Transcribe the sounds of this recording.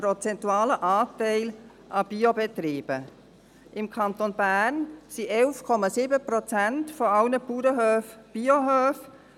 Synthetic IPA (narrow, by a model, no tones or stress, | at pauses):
pɾot͡sɛntuɑːləʔɑːtɛɪl | ʔɑb̥iobɛt̪ɾiːb̥ə | ʔɪmkʰɑnt̪onbæːrnsiʔɛlfkʰɔmɑsiːbəpɾɔt͡sæntfɔɑʊnəpuːɾəɦøːfb̥ioɦøːf